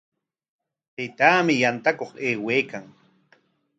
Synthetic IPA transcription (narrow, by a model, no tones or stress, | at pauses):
t̪ajt̪aːmɪjant̪akoχeːweːkaŋ